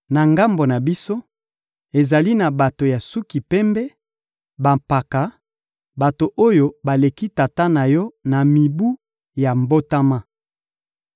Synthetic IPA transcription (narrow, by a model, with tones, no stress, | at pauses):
na˨ŋɡa˦mbo˨na˨bi˦so˦ | e˨za˨li˦na˨ba˨to˨ja˨su˦ki˨pɛ˦mbɛ˦ | ba˨mpa˨ka˨˦ | ba˨to˨ʔo˦jo˦ba˨le˨ki˦ta˨ta˦na˨jɔ˦na˨mi˨bu˦ | ja˨mbo˦ta˦ma˦